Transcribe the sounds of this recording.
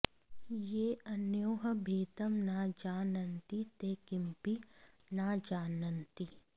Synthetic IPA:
jeːɐnjoːɦɐbʱeːt̪ɐmnaːd͡ʒaːnɐnt̪it̪eːkɪmpi | naːd͡ʒaːnɐnt̪i

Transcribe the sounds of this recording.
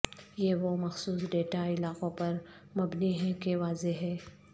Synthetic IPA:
jeːʋomɐxsuːsɖeːʈaɪlaːqõpɐɾ | mɐbniɦɛkeʋaːzeɦɛː

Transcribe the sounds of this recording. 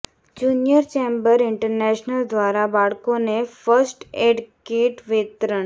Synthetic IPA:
d͡ʑunjəɾt͡ʃembəɾɪɳʈəɾnɛʃnəld̪ʋaɾabaɭkonefəɾsʈeɖkeʈʋɪt̪ɾəɳ

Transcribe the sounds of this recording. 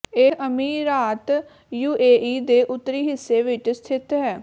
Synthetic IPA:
eːəmiːɾaːt̪ | juːeːʔiːd̪eːʔʊt̪ːəɾiːɦɪsːeːʋɪt͡ʃst̪ʰɪt̪ɦɛː

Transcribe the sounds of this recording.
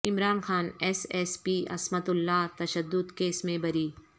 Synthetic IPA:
ɪmɾaːnxaːnɛːsɛspiːʔɐ̰smɐt̪ʊlːaːt̪ɐʃəd̪ːʊd̪keːsmẽbɐɾiː

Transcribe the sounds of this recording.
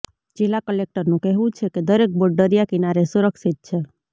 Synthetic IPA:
d͡ʒelakəlek̚ʈəɾnũkɛɦʋũt͡ʃʰeked̪əɾek̚boɖəɾijakɪnaɾesuɾəksit̪̚t͡ʃʰe

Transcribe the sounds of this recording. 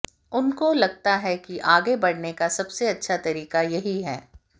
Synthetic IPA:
ʊnkolɐɡ̚t̪aɦɛkiʔaːɡebɐɽnekasɐbseɐtːʃʰat̪ɐɾiːqajɐɦiɦɛ̰ː

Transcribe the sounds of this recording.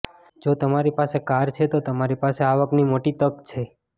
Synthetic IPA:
d͡ʒot̪əmaɾipasekaɾt͡ʃʰet̪ot̪əmaɾipaseaʋəknimoʈit̪əkt͡ʃʰe

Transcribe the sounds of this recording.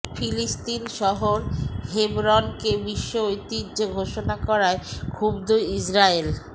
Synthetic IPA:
filist̪inʃɔɦoɾɦebɾɔnkebiʃːoojt̪id͡ʑeɡʱoʃonakɔɾaekʰubd̪uisɾael

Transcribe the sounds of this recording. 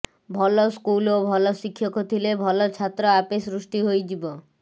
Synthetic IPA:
bʱɔloskulobʱɔloʃikʰːjokot̪ʰilebʱɔlot͡ɕʰat̪ːɾoapesɾuʃʈiɦojd͡ʑibo

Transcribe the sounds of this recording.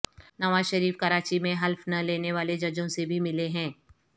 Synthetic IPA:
nɐʋaːzʃɐɾiːfkɐɾaːt͡ʃimẽɦɐlfnɐleːneʋaːled͡ʒɐd͡ʒõsebʱimɪleɦɛ̃ː

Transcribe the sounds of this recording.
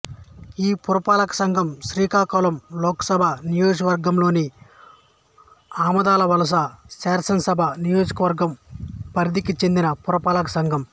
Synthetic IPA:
iːpuɾɐpaːlɐkɐ̥sɐŋɡʱɐmʃɾiːkaːkɐːlɐmlɔːkɐ̥sɐbʱanijoːd͡ʒkɐʋɐɾɡɐmlo̞ːni | aːmɐd̪aːlɐʋɐlɐs̬ɐsaːɾsɐnsɐbʱanijoːd͡ʒɐkɐʋɐɾɡɐmpɐɾid̪ikit͡ʃe̞nd̪inɐpuɾɐpaːlɐkɐsɐŋɡʱɐm

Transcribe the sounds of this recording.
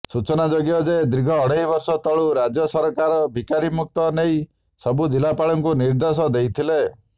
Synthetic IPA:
sut͡ʃɔnad͡ʒɔɡjɔd͡ʒed̪ɾiɡʱɔːɽeɦibɔɾsɔt̪ɔɭuɾad͡ʒjɔsɔɾɔkaɾɔbʱikaɾimuk̚t̪ɔnej | sɔbud̪ilapaɭɔŋkuniɾd̪ɔs̬ɔd̪ejt̪ʰile

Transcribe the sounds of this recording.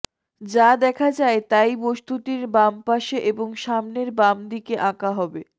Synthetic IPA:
d͡ʑad̪ɛkʰad͡ʑaet̪ajbost̪ut̪iɾbampaʃeʔeboŋʃamneɾbamd̪ikeʔãkaɦɔbe

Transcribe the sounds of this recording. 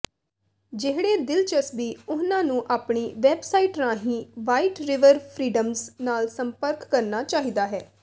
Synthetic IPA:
d͡ʒɪɦɽeːd̪ɪlt͡ʃəsbiːʊnãːnũːʔaːpɳiːʋɛːbsaːiːʈɾãːɦĩːʋaːiːʈɾɪʋəɾpʰɾiːɖəmznaːlsəmpəɾkːəɾnaːt͡ʃaːɦiːd̪aːɦɛː

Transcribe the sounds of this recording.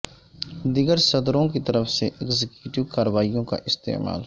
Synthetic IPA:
d̪ɪɡəɾsɐd̪ɾõkit̪əɾəfʰseʔeːkzɪkjuʈɪʋkaːɾəʋaːijõka̰ʔɪst̪ḛːma̰ːl

